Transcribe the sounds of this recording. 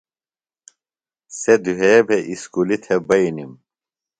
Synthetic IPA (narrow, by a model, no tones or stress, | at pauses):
sed̪uɦeːbʱeʔiskulit̪ʰebɐinim